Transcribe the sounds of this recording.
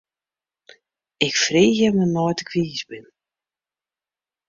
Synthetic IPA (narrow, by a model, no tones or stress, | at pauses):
ɪkfriːxjəməmɔjtə̥kʰʋiːsbɪn